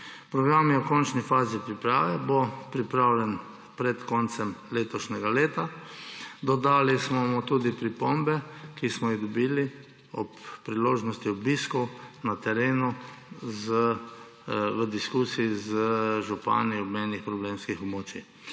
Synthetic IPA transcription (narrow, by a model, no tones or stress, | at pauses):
pɾɔɡɾamjɛɔkɔnt͡ʃnifaːzipɾipɾaːʋɛbopɾipɾawlʲɛn | pɾɛt̪kɔnt̪sɛmleːt̪ɔʃnɛɡaleːt̪a | d̪ɔd̪aːlismɔmɔt̪uːd̪ipɾipombɛkismɔiɣd̪ɔbiːli | ɔpːɾiloːʒnɔst̪iɔbiːskɔwnat̪ɛɾeːnuzə | ʋəd̪iskuːsiizəʒupa̰ːniɔbmɛːnixpɾɔbleːmskixɔbmoːt͡ʃi